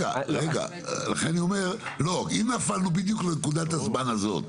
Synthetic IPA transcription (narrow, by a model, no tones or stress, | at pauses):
ɡa̰ʁeɡa̰ | la̰χẽniomeɾlokinafalnubid̪juklekud̪at̪ɐzmanazo̰t̪